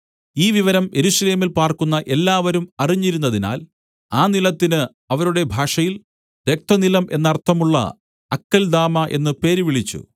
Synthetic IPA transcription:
iːʋiʋɐɾɐmjʔe̞ɾuɕɐle̞ːmilpaːrkunːɐʔe̞lːaːʋɐɾumɐriɲːiɾunːɐðina̰ːl | aːnilɐt̪ːinɨ | ɐʋɐɾuɽe̞bʱaːʂɐjil | ʋe̞k̚t̪ɐnilɐmʔe̞nːɐrt̪ʰːɐmuɭːɐ̰ | ɐkːɐld̪aːmɐʔḛnːɨpe̞ːɾʋiɭit͡ɕːṵ

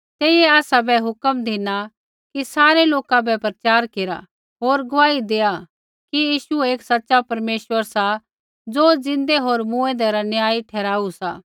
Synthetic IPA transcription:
t̪eːijeaːsabɛɦʊkəmd̪ʱɪna | kisaːɾeloːkãbɛpɾɐt͡ʃaːɾkeːɾa̰ | ɦoːɾɡʊʋaːid̪eːa | kijiːʃueːksɐtːʃapɐɾmeːʃʋəɾsa | d͡zoːd͡zɪ̃nd̪eɦoːɾmũːẽd̪ɛɾanjaːiʈʰɛːɾaːusaː

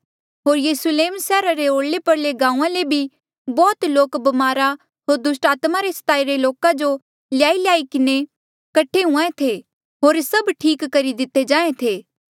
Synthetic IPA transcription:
ɦoːɾjɐːsleːmsɛːɾaɾeoːɽlepɐɾleɡãːũːãlebʱi | bɔːt̪loːkbɐmaːɾa | ɦoːɾd̪ʊsʈaːt̪maɾesɐ̥t̪aːiɾeloːkãd͡ʒo | lɪjaːiljaːikɪne | kɐʈʰeɦʊ̃ãẽt̪ʰe | ɦoːɾsɐbʈʰiːkːɐɾid̪ɪt̪ːed͡ʒãːẽt̪ʰeː

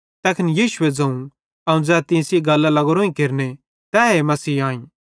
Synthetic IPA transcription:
t̪ɛːkʰɪnjiːʃʊed͡zɐ̃ũ | ɐũd͡zɛːt̪ĩːsiɡɐlːalɐɡɾõːĩkeɾne | t̪ɛːɦemɐsiːaːĩ

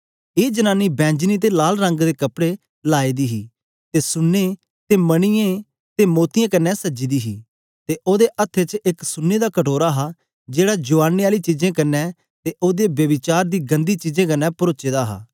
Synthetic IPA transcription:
eːd͡ʒənaːniːbɛ̃ːɲd͡ʒniːt̪̬eːlaːlɾə̃ŋɡd̪eːkəpɽeː | laːiːd̪iːɦiː | t̪eːsʊnːeː | t̪eːməɽ̃ɪjẽː | t̪eːmoːt̪ɪjãːkənːɛːsəd͡ʒiːd̪iːɦiː | t̪eːʔoːd̪eːʔət̪ʰːet͡ʃɪksʊnːeːd̪aːkəʈʰoːɾaːɦaː | d͡ʒeːɽaːd͡ʒʊʋaːnːiːaːliːt͡ʃiːd͡ʒẽːkənːɛː | t̪eːʔoːd̪eːbjəʋɪt͡ʃaːɾd̪iːɡənd̪iːt͡ʃiːd͡ʒẽːkənːɛːpʊɾoːt͡ʃeːd̪aːɦa̰ː

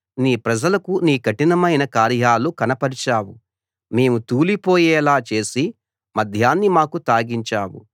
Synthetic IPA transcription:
niːpɾɐd͡ʒɐlɐkuniːkɐʈinɐmɐjnɐkaːɾjaːlukɐnɐpɐɾit͡ʃaːwu | me̞ːmut̪uːlipo̞ːjɛːlaːt͡ʃe̞ːsi | mɐd̪ʱjaːnːimaːkut̪aːɡiɲt͡ʃaːwṵ

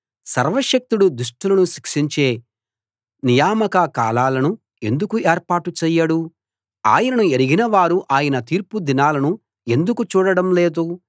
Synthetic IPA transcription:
sɐɾʋɐʃɐk̚t̪uɽud̪uʂʈulɐnuʃikʂiɲt͡ʃe̞ː | nijaːmɐkɐkaːlaːlɐnu | end̪ukueːɾpaːʈut͡ʃɛːjːɐɽu | a̰ːjɐnɐnueɾiɡinɐʋaːɾuʔaːjɐnɐt̪iːɾpud̪inaːlɐnu | e̞nd̪ukut͡ʃuːɽɐɽɐmleːd̪u

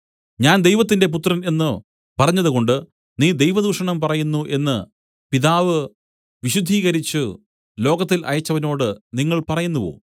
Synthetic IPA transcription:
ɲaːnd̪ejʋɐt̪̬ːinde̞p̬ut̪ːrɐne̞nːɨ | pɐrɐɲːɐðuɣo̞ɳɖɨ | niːd̪e̞jʋɐd̪uːʂɐɳɐmpɐrɐjunːuʔe̞nːɨ | piðaːʋɨ | ʋiɕud̪ʱːiːɣɐɾit͡ɕːɨ | lo̞ːɡɐt̪ːilʔɐ̰jɐt͡ɕːɐʋɐno̞ːɽɨniŋːɐɭpɐrɐjunːuʋo̰ː

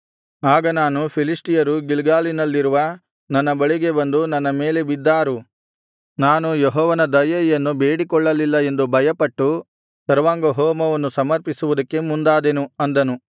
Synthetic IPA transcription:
aːɡɐnaːnupʰilisʈijɐɾuɡilɡaːlinɐlːiɾuʋɐ | nɐnːɐbɐɭiɡe̞bɐnd̪unɐnːɐme̞ːle̞bid̪ːaːɾu | naːnujeɦɔːʋɐnɐd̪ɐjɐjɐnːubeːɽikɔɭːɐlilːɐe̞nd̪ubʱɐjɐpɐʈːu | sɐɾʋaːŋɡɐɦoːmɐʋɐnːusɐmɐɾpisuʋud̪ɐkːe̞mund̪aːd̪enuɐnd̪ɐnu

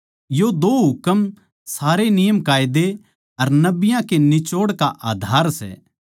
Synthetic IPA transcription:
jod̪oːɦʊkəm | saːɾenɪjəmkaːɪd̪e | ɐɾnɐbɪjãkenɪt͡ʃoːɽkaʔaːd̪ʱaːɾsɛ̰ː

